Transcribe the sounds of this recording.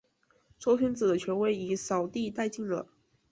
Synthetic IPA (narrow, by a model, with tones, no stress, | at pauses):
t͡sʰwɔ˥ʊɕy˥nt͡sɹ̩˨˩d̪ə˦t͡ɕʰɥɛ˧˥nwe˧˥˩ɪi˨˩sɑ˨˩ʊt̪i˥˧t̪a˥˧ɪt͡ɕi˥˩ŋlə̰˨˩